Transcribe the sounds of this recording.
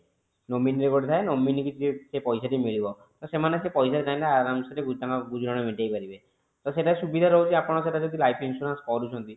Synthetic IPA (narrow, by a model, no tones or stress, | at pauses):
nɔminɾekɔɖt̪ʰaenɔmːinikid͡ʒsepɔjsaʈimiɭibɔ | t̪ɔsemanesepɔjsaɾd͡ʒaj̃laaɾamseʈeɡud͡ʒt̪aŋabud͡ʒʱɾaɽ̃ɔmiʈajpaɾibe | t̪ɔseʈasubid̪ʱaɾɔɦot͡ʃʰiapɔɽ̃ɔseʈad͡ʒod̪ilajpʰinsuɾanskɔɾut͡ʃʰɔnt̪i